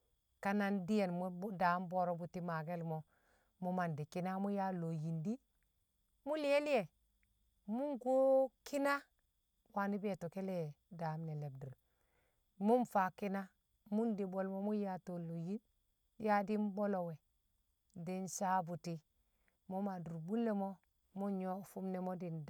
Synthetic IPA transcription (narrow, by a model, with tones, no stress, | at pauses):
ka˦na˦ndi˦je˨nm˦bda˨˦mbo˦ɾo˦bu˨ti˦ma˨ɡe˦lmo˨ | mu˦ma˨ndi˨ki˦na˦mu˦ja˦lo˨ji˨ndi˦ | mu˦li˦e˦li˦je˨ | mu˦ŋɡo˦ki˦na˦ | wa˨ni˦be˨to˨ke˦le˦˨da˨˦mne˨le˨b̚du˨ɾ | mu˦nfa˨ki˦na˦ | mu˦ndi˨bo˨lmo˦mu˦ja˨to˨lo˨ji˦n | ja˦di˦m˦bo˦lo˨we˨ | di˦nsa˦bu˨ti˦ | mo˦ma˨du˨ɾbu˦lːe˦mo˦ | mu˦ɲo˦fu˦mne˨mo˦di˨n